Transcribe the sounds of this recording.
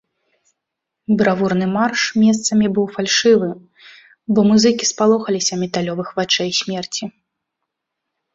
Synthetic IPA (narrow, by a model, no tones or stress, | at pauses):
bɾavurnɨmarʂmʲɛst̪sɐmʲibɨwfalʲʂɨvɨ | bɔmuzɨkʲispalˠɔxɐlʲisʲɐmʲɛt̪alʲɔvɨxvat͡ʂɛjsʲmʲɛrt͡sʲi